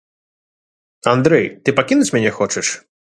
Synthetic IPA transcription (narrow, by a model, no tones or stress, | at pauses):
and̪ɾɛjt̪ɨpakʲinut͡sʲmʲanʲɛxɔt͡ʂɛʂ